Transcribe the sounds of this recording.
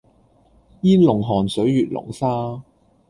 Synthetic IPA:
jiː˥lʊ˨˩ŋɦɔː˨˩nsɵ˨˥ɥjyː˨t̚lʊ̰˨˩ŋsaː˥

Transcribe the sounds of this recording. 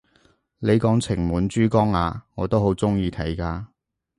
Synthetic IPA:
le˨˧jkɔː˨˥ŋt͡sʰɪ˨˩ŋmuː˨˧nt͡ʃyː˥kɔː˥ŋaː˨˧ŋɔː˨˧t̪o˥who˨˥wt͡sʊ˥ŋjiː˧t̪ʰɐ˨˥jkaː˧

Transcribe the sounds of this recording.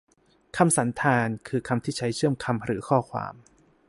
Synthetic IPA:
kʰa˧msa˩˦nt̪ʰaː˧nkʰɯː˧kʰa˧mt̪ʰiː˥˩t͡ɕʰa˦˥jt͡ɕʰɯ˥˩əmkʰa˧mɾɯː˩˦kʰɔː˥˩kʰwa̰ː˧m

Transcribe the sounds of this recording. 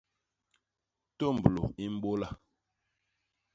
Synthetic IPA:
to˦˨m˨blo̰˨i˦m̩˦bo˦la˦˨

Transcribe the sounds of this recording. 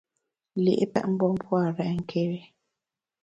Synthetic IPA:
lḭ˨ʔe˦pɛ̰˦ʔm̩˦bɔ˦m˦pwa˦˨ɾɛ˨ŋ̩˦˨kʰe˦ɾe˦

